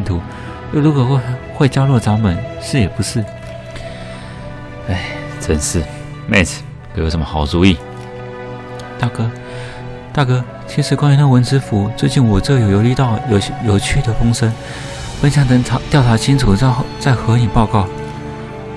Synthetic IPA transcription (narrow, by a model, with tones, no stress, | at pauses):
nt̪ʰu˧˥ | jo˥˩ʊlu˧˥kwɔ˨˩wxwe˥˩ɪt͡ɕjɑ˥ʊlwɔ˥˩ʈ͡ʂa˧˥ŋpə˨˩˦nʂɻ̩˥˩jɛ˨˩pu˧˥˦ʂɻ̩˥˩ | e˥˩ɪ | t͡sə˨˩nʂɻ̩˥˩ | mɛ̰˥˧˩tʰ | kʰe˧˥jo˨˧ʊʂə˧˦mə˧xɑ˨˩ʊt͡su˧i˥˩ | t̪a˥˩kɤ˥ | t̪a˥˩kɤ˥ | t͡ɕʰi˧˥ʂɻ̩˧˥kwa˥nɛ˧˥nə˥˧wə˧˥nt͡sɻ̩˥fu˧˥t͡swe˥˧ɪt͡ɕi˥˩nwɔ˨˩t͡sɤ˥˩jo˨˩ʊjo˨˥ʊli˥t̪ɑ˥˨ʊjjo˨˩ʊt͡ɕʰy˥˩d̪ə˩fɤ˥ŋʂə˥n | fə˥nɕ̬jɑ˥˧ŋt̪ə˥ŋʰ˧t̪jɑ˥˩ʊʈ͡ʂʰa˧˥t͡ɕʰi˥nʈ͡ʂʰu˨˩˥xt͡sa˥˩ɪxɤ˧˥ni˨˩pɑ˥˧ʊkɑ˥˩ʊ